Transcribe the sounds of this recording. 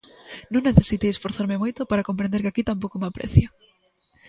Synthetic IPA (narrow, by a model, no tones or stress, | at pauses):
nõŋneθesit̪ejesfoɾθaɾmemojt̪opaɾakompɾẽnd̪eɾkɪakit̪ampowkomapɾḛθjo